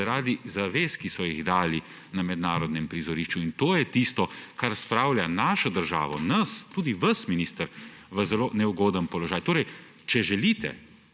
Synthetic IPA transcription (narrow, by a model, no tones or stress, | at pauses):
ɾaːd̪izaʋeːskisɔjiɣd̪aːli | namɛd̪naːɾɔd̪nɛmpɾizɔɾiʃt͡ʃuint̪oːjɛt̪ist̪ɔkaɾspɾaːwlʲjanaːʃɔd̪əɾʒa̰ːʋɔ̰nɐst̪uːd̪iʋɐsminist̪əɾʋəzɛloːnɛuɡoːd̪ənpɔlɔʒaːjt̪oːɾɛj | t͡ʃɛʒɛliːt̪ɛ̰